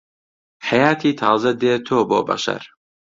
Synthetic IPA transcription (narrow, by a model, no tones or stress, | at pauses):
ħajaːt̪ʰiːt̪ʰɑːzɐd̪eːt̪ʰoːboːbɐ̰ʃɐ̰ɾ